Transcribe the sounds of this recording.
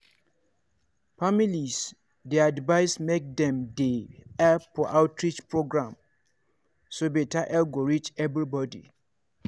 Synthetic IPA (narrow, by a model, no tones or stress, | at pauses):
familis | deadvaɪsmek̚dɛ̃mdeɛpfɔʔaʊtɹit͡ʃpʰɹoɡɹãm | sobetaʔɛlɡoɹit͡ʃɛvɹibɔdḭ